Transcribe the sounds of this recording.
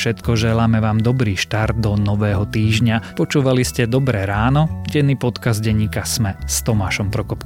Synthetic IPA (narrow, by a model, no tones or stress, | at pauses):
ʃɛt̪kɔʒɛlaːmɛʋaːmd̪ɔbɾiːʃt̪aɾd̪̚d̪ɔnɔʋɛːɦɔt̪iːʒɲapɔt͡ʃuːʋaliscɛd̪ɔbɾɛɾaːnɔɟɛnːiːpɔt̪kazɟɛɲːiːkasmɛst̪ɔmaːʃɔmpɾɔkɔpk